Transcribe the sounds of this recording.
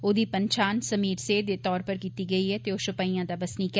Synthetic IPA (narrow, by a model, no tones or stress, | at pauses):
oːd̪iːpə̃ɲt͡ʃaːnsəmiːɾseːd̪eːt̪ɔːɾpəɾkiːt̪iːɡɐiːɦɛːt̪eoːʃʊpaːijãːd̪abɐsnik